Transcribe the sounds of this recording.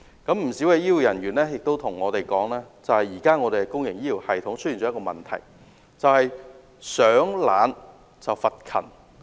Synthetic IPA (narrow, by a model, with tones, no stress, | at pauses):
kɐ˨˥mm̩˨˩siː˨˥wɛ˧jiː˥wu˨˩jɐ˨˩nɥyː˨˩nlɛː˥jɪ˨k̚t̪o˥wt̪ʰʊ˨˩ŋːɔː˨˧t̪e˨jkɔː˨˥ŋlɛː˥t͡sɐ˨whɐ˨jiː˨˩kaː˥ŋɔː˨˧t̪e˨jɛ˧˥kʊ˥ŋjɪ˨˩ŋjiː˥ji˨˩whɐ˨˩jt̪ʰʊ˨˥ŋt͡sʰjiː˨˩ɔ˨˦˥kɔː˧mɐ̰˨˩nt̪ʰɐ̰˨˩j | t͡sɐ˨whɐ˨j | sœː˨˥ŋlaː˨˧n | t͡sɐ˨wfɐ˨t̚kʰɐ̰˨˩n